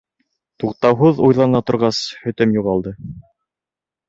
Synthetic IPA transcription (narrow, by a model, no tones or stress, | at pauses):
t̪uqt̪ɑwɦuðujlˠɑnɑt̪ŏɾʁɑshɵ̆t̪ɵmjuʁɑlˠd̪ɤ